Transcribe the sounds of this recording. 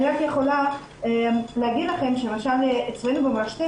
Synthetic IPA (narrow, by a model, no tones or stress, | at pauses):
iʁakjeχo̞la | lehaɡid̪laχe̞mʃelemaʃaleet͡svejnubemaʃt̪e